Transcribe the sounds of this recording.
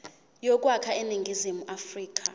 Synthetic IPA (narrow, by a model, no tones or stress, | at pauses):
jɔk̬ʼwakʰaeniŋɡʱizimuʔafriːk̬ʼʰa